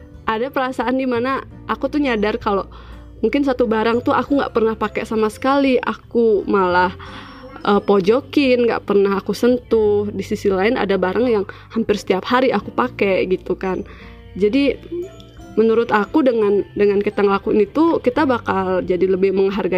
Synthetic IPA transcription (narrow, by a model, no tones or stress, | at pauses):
ʔadapəɾasaandimana | akut̪ʊɲadarkalo | muŋkɪnsat̪ubaɾaŋt̪ʊakuŋɡa̰ʔpərnahpakɛ̰samasə̥kaliʔa̰kumalah | ʔəpod͡ʒokɪnŋɡa̰ʔpərnaɦakusənt̪ʊhdisisilaɪna̰dabaɾʔaŋjaŋhampɪrsə̥t̪iap̚haɾiʔakupakɛʔɡit̪ukan | d͡ʒadi | mənuɾʊt̪akudəŋandəŋankət̪aŋlakunit̪ukit̪abakald͡ʒadiləbɪhməŋɦarɡa